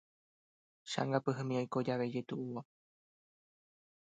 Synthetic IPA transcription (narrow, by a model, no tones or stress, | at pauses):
ʃa̰ŋɡapɨɦɨmĩojkod͡ʒaʋed͡ʒet̪uʔuʋo